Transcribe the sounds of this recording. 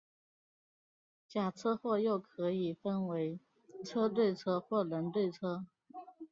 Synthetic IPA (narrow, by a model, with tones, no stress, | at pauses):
t͡ɕja˨˩ʈ͡ʂʰɤ˥xwɔ˥˧jo˥˩ʊkʰɤ˧˥i˨˩fə˥nwe˧˥ɪ | ʈ͡ʂʰɤ˥t̪we˥˧ɪʈ͡ʂʰɤ˥xwɔ˥˩lə˧˥nt̪we˥˩ɪʈ͡ʂʰɤ˥